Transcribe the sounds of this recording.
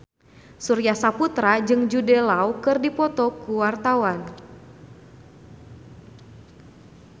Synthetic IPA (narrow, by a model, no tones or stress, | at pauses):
suɾiasaput̪ɾad͡ʒɨŋd͡ʒudɛlaukɨrdipɔt̪ɔkuwart̪awan